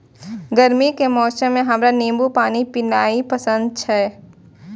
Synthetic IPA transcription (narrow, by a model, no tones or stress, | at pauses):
ɡɐɾmikemɔːsə̃mːẽɦɐmɾanẽːmbupaːnipɪnaːipɐsə̃nd̪̚t͡ʃʰɛː